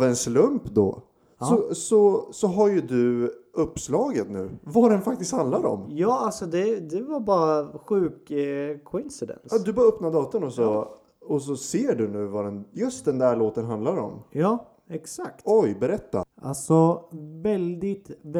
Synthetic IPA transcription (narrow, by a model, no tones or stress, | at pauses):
vɛnslɵmpd̪ɔ̰ | sɔsɔsɔɦaɾjɵd̪ɵɵpːslɑːɡət̪nʉ̟ːvaɖɛnfak̚t̪ɪst̪hand̪laɾɔ̰mjɑːalsɔd̪ɛd̪ɛvaɾbɑːɾaɧʉ̟ːkʰː | ɔɪnsɪd̪ɛ̰nsɑːd̪ɵbɑːɾaœpnad̪ɑːt̪ənɔsɔ | ɔs̬ɔseːɖɵnʉ̟ːvad̪ɛnjɵst̪̚d̪ɛnd̪æɭoːt̪ənɦand̪laɾɔ̰mjɑː | ɛksakt̪ɔjbɛɾɛt̪ːa̰a̰lsɔvɛld̪ɪt̪